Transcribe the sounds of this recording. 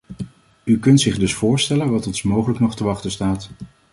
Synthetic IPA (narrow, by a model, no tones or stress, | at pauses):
ykɵntsɪχdɵsfʊːɹstɛlənʋɑtɔnsmowχələknɔχtəʋɑχtəstaːt